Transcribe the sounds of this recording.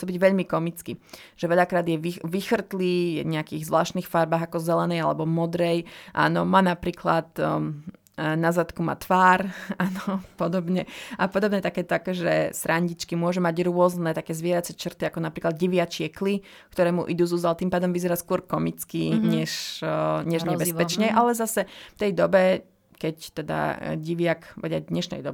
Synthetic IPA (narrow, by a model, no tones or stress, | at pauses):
t͡sɔbiɟʋɛʎmikɔmit͡skiʒ̥ɛʋɛʎakɾaːd̪jɛʋiʋixr̩t̪liːjɛ̰ɲɛakiɣzʋlaːʃt̪niːxfaɾbaːɣakɔzɛlɛnɛjalɛbɔmɔd̪ɾɛjʔa̰ːnɔmaːnapɾiːkla̰t̪ | nazat̪kuma̰ːt̪ʋaːɾaːnɔpɔd̪ɔbɲɛʔapɔd̪ɔbɲɛt̪akɛːt̪ɔakɔʒɛ̰sɾaɲɟit͡ʃkimʊɔʒumaɟɾʊɔznɛt̪akɛːzʋɪɛɾat͡sɛt͡ʃrt̪iakɔnapɾiːklad̪̚ɟiʋɪat͡ʃɪɛkli | kt̪ɔɾɛːmṵʔid̪uːzuzalt̪impaːd̪ɔmʋizɛɾaːskʊɔɾkɔmit͡skiɲɛʃɲɛʒɲɛbɛspɛt͡ʃɲɛjʔalɛzasɛft̪ɛjd̪ɔbɛ | kɛct̪ɛd̪a̰ɟiʋɪakda̰d̪ɲɛʃnɛ̰jd̪ɔb